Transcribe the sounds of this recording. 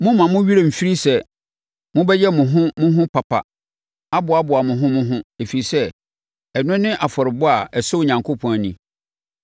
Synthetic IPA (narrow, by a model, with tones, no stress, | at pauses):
mʊ̃˦mã˨mʊ̃˦ɥi˦ɾe˨m̩˨fi˦ɾi˦sɛ˦ | mʊ̃˦bɛ˦jɛ˦mʊ̃˨ɦʊ̃˦mʊ̃˦ɦʊ̃˦pʰa˨pʰa̰˨ | a˦bʊ˨a˦bʊ˨a˨mʊ̃˨ɦʊ̃˦mʊ̃˦ɦʊ̃˦e˨fi˨i˨sɛ˦ | ɛ˨nʊ̃˦nɪ̃˦ʔa˨fɔ˨ɾɪ˨bʊ˦a˨ɛ˨so˦˨ɲã˨ŋkʰo˦pʰɔ̃˨æ˨nĩ˨